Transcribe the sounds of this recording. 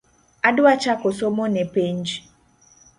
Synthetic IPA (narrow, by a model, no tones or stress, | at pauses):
adʊat͡ʃakosomonɛpeɲd͡ʒ